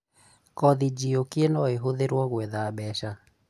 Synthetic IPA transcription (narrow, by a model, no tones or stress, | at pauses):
kɔðid͡ʒiokienɔeɦoðeɾwɔɣwɛðaːbɛʃa